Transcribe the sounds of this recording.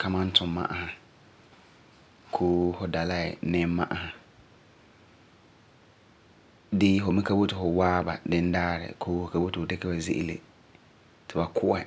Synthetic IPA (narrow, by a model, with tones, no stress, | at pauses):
kʰa˦mã˦n̩˦tʰʊ˨mːa̰˦ʔa˦ha˨ | kʰoː˦hʊ˨da˨la˦ɛ̰˨nɪ˦mːa̰˦ʔa˦ha˨ | dɪ˦fʊ˨mɪ̃˦ka˦bo˦tɪ˨fʊ˨waː˦ba̰˨dɪ˦n˦daː˦ɾɪ̰˨kʰoː˦hʊ˨ka˨bo˦tɪ˨ʊ˨dɛ˦kɛ˦ba˨zḛ˦ʔḭ˦lḛ˨ | tʰɪ˨ba˨kʰʊ˦ʔɛ˨